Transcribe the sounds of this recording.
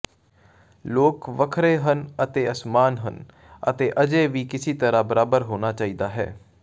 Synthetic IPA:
loːkʋəkʰɾeːɦənət̪eːəsmaːnɦən | ə̰t̪eːʔəd͡ʒeːʋiːkɪsiːt̪əɾãːbəɾaːbəɾɦoːnaːt͡ʃaːiːd̪aːɦɛ̰ː

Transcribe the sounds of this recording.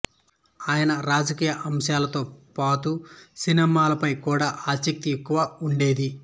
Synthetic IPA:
aːjɐnɐɾaːd͡ʒɐkiːjɐʔɐmʂjaːlɐt̪o̞ːpaːt̪usinɛmaːlɐpɐjkuːɽaːʔaːsɐk̚t̪iekːuʋaːuɳɖe̞ːd̪i

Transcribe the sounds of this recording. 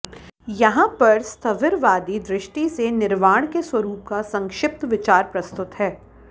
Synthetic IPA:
jɐɦãpɐɾst̪ʰɐʋɪɾʋaːd̪id̪ɾɪʃʈisenɪɾʋaːɽ̃keswɐɾuːp̚kasɐ̃ŋkʃɪp̚t̪ʋɪt͡ʃaːɾpɾɐst̪ʊt̪ɦɛː

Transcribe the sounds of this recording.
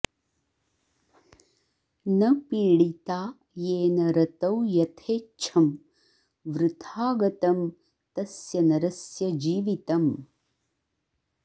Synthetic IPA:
nɐpiːɽit̪aː | jeːnɐɾɐt̪ɐwjɐt̪ʰeːt͡ʃʰɐm | ʋɾut̪ʰaːɡɐt̪ɐm | t̪ɐsjɐnɐɾɐsjɐd͡ʒiːʋit̪ɐm

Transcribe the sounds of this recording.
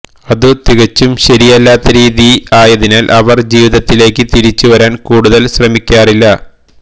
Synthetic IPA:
ɐðɨt̪iɣɐt͡ɕːumɕɐɾijɐlːaːt̪ːɐɾiːðiaːjɐðinaːlʔɐʋɐrd͡ʑiːʋiðɐt̪ːile̞ːkːɨt̪iɾit͡ɕːuʋɐɾaːnkuːɽuðɐlɕrɐmikʲːaːrilːɐ

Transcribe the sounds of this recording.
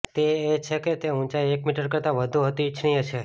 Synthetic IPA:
t̪eːt͡ʃʰeket̪eũnt͡ʃaiekmiʈəɾkəɾt̪aʋəd̪ʱuɦət̪it͡ʃʰɽ̃ĩət͡ʃʰe

